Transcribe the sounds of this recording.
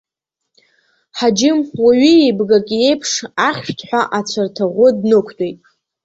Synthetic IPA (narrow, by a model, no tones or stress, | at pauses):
ħad͡ʒɪmwaɥiejbɡakʼiejpʰʂaχʲʃtʰʼħʷaʔat͡ɕʷʰartʰaʁʷʊdnɨkʷʰtʼejtʼ